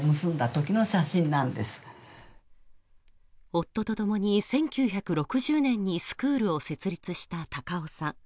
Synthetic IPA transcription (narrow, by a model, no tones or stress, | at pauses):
mɯsɨ̃nd̪at̪o̞kʲino̞ɕaɕĩnːãnd̪e̞sɨ̥ | o̞t̪ːo̞t̪o̞t̪o̞moɲ̟isẽ̞ŋkʲɨːçakɯ̟ɾo̞kɯ̟ʑɨːnẽ̞ɲ̟ːisɨ̥kɯ̟ːɾɯ̟o̞se̞t͡sɨɾʲit͡sɨɕi̥t̪at̪akao̞sãŋ